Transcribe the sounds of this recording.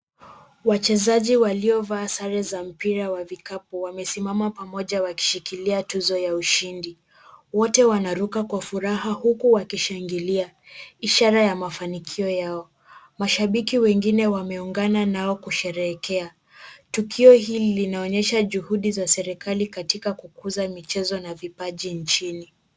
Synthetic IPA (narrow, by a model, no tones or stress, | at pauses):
wat͡ʃɛzaʄiwaliɔvaːsaɾɛzam̩piɾawavikapuwamɛsimamapamɔʄawaki̥ʃikiliatuzɔjauʃindi | wɔtɛwanaɾukakwafuɾahahukuwakiʃaŋɡilia | iʃaɾajamafanikʰiɔjaɔ | maʃaɓikiwɛŋɡinɛwamɛuŋɡananaɔkuʃɛɾɛːkɛa | tukʰiɔɦillinaɔɲɛʃaʄuhuɗizasɛɾikʰalikatikakukuzamit͡ʃɛzɔnavipaʄint͡ʃini